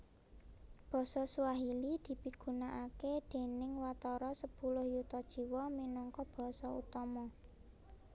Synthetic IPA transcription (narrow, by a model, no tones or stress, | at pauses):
b̥ɔ̤sɔsuwaɦilid̪̥i̤piɡ̥ṳnaʔaked̪̥e̤nɪŋwat̪ɔɾɔsəpulʊhjut̪ɔd̥ʒ̥i̤wɔminɔŋkɔb̥ɔ̤sɔṵt̪ɔmɔ